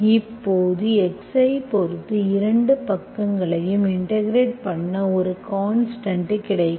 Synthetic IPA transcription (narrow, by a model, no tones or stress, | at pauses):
ɪpːoːðɯɛksɐɪpɔɾɯt̪ːɯɪɾɐɳɖɯpɐkːɐŋɡɐɭɐjɯmɪɳʈɐɡɪɾeːʈ̚pɐɳːɐɔɾɯkaːnsʈɐɳʈɐkːɪɽɐɪkː